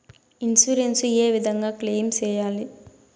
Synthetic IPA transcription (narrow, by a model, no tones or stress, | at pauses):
insuɾenseːʋid̪ʱɐŋɡaːkleːmt͡ʃɛːjaːli